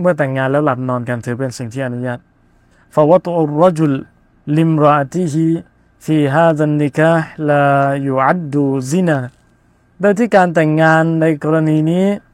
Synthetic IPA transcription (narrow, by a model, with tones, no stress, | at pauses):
mɯ˥˩ɐt̪ɛː˨˩ŋːaː˧nlɛː˦˥wla˨˩t̪̚nɔː˧nka˧nt̪ʰɯː˨˦p̬e˧nsi˨˩ŋt̪ʰiː˥˩ʔa˧nu˦jaː˥˩t̪̚ | fa˧wɑ˦t̪ˤʔu˨rːɑ˦d͡ʒu˧lː | i˧mɾa˧ʔa˧t̪i˦ɦi˧ | fiː˧ɦaː˧ða˧nːi˨˧kaː˦˧ħla˧ju˨ʕa˦d̪ːu˧zi˦naː˧ | doː˧jt̪ʰiː˥˩kaː˧nt̪ɛ˨˩ŋːaː˧nːa˧jkɔː˧ɾa˧niː˧niː˦˥